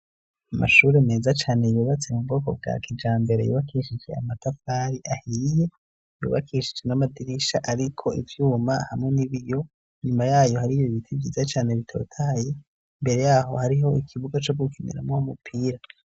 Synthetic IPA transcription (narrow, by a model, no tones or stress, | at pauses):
ama̰ʃuːɾeme̞ːzat͡ʃaːne̞juːβat͡se̞mubɡo̞ːko̞b̚ɡa̰kid͡ʒaːmbe̞ɾejṵːβakiʃid͡ʒe̞̰amatafaːɾiʔahije̞ | jṵːβakʰiʃid͡ʒe̞namadiɾiʃaʔaɾikʰo̞ḭvjuːmahamŋe̞niβijo̞ | ɲumajaːjo̞haɾioiβitʰiɡizat͡ʃaːne̞βitʰo̞̰ːtʰaːje | mbe̞ɾe̞jaːho̞̰haɾiɦo̞ikʰiβuɡat͡ʃobɡukʰinḭɾa̰moumupʰiːɾa